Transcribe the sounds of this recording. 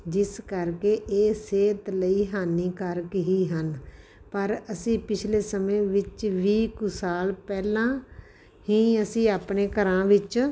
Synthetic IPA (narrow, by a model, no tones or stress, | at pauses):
d͡ʒɪskəɾkeːʔeːseːt̪ləiːɦaːniːkəɾkɦiːɦən | pəɾəsĩːpɪt͡ʃʰleːsəmẽːʋɪt͡ʃʋiːkʊsaːlpɛːlãː | ɦĩːəsĩːaːpɳeːkəɾãːʋɪt͡ʃ